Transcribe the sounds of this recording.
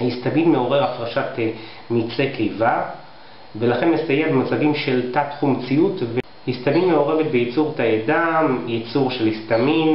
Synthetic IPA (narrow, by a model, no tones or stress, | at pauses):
hist̪amidme̞o̞ʁe̞ʁafʁaʃat̪ | mit͡sekeva | velaχe̞nmesajebmot͡saɡimʃeltat̪χumt͡siutve | hist̪aminmeo̞ʁe̞vet̪bejit͡suʁtajadamjit͡suʁʃelhist̪amin